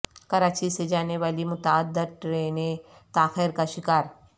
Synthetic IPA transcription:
kɐɾaːt͡ʃised͡ʒaːneʋaːlimʊt̪aːd̪ːəɾʈɾeːne | t̪aːxeːɾkaʃɪkaːɾ

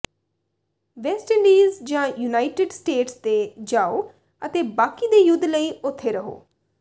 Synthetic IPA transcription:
ʋɛːsʈɪ̃ɳɖiːzd͡ʒãːjuːnaːɪʈɪɖsʈeːʈst̪eːd͡ʒaːoː | ət̪eːbaːkiːd̪eːjʊd̪ːləiːʊt̪ʰːeːɾəɦo̰ː

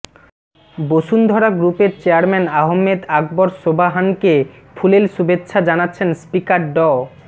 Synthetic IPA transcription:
boʃund̪ʱɔɾaɡɾupeɾt͡ɕeaɾmɛnaɦomːed̪aɡ̚bɔɾsʃobʱaɦanke | pʰulelʃubetːɕʰad͡ʑanatːɕʰenspikaɾɖɔ

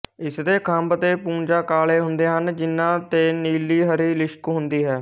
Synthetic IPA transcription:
ɪsd̪eːkʰəmbt̪eːpũːnd͡ʒaːkaːleːɦʊnd̪eːɦənd͡ʒɪnːãːt̪eːniːliːɦəɾiːlɪʃkɦʊnd̪iːɦɛː

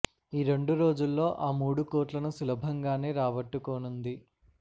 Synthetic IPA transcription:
iːɾe̞ɳɖuɾo̞ːd͡ʒulːo̞ːʔaːmuːɽukoːɾʈlɐnusulɐbʱɐŋɡaːne̞ːɾaːʋɐʈːukoːnund̪i

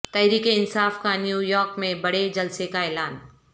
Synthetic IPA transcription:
t̪ɛɦɾiːkeɪnsaːfkanjuːjɔːɾkmẽbɐɽed͡ʒɐlsekaɛːlaːn

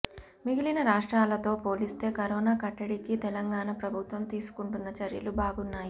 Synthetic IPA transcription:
miɡilinɐɾaːʂʈɾaːlɐt̪o̞ːpo̞ːlist̪e̞ːkɐɾɔːnaːkɐʈːɐɽikit̪ɛlɐŋɡaːɳɐpɾɐbʱut̪ʋɐmt̪iːsu̥kuɳʈunːɐt͡ʃɐɾjɐ̰lubaːɡunːaːji

